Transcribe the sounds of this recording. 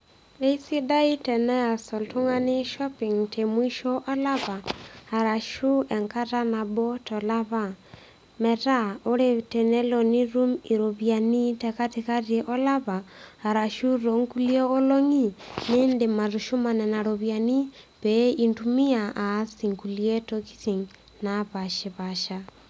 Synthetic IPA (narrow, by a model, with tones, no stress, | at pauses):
e˦i˦si˦da˦i˦tɛ˨nɛ˦a˨sɔ˨ltu˦ŋa˦ni˦ʃɔ˦pi˨ŋtʰe˨mwi˦ʃɔ˦ʔɔ˦la˦βaː˨ɾa˨ʃu˦ʔɛ˨ŋka˦ta˦na˨bɔ˦tɔ˨la˦βa˨ | mɛ˨ta˦o˦ɾe˦tɛ˨nɛ˦lɔ˨ni˦ɾu˦mi˨ɾo˨βja˨ni˦tɛka˦teka˦ɾeʔɔ˦la˦βaː˨ɾa˨ʃu˦ro˨ŋku˦lie˦o˦lo˦ŋi˦ne˦nde˨ma˨ɾuʃu˦ma˨nɛ˨na˨ɾoβja˨ni˦ | βɛ˦i˨ntumi˦a˨a˨si˨ŋku˨lie˦toki̥˦si˨ŋ | naβaʃe˨βaʃa